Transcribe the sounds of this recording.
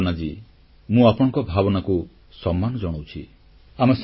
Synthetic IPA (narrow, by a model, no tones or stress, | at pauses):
nad͡ʒi | mũapɔɽ̃ɔ̃ŋkɔbʱabɔnaku | sɔmːanɔd͡ʒɔɽ̃ɔwt͡ʃʰi | amɔs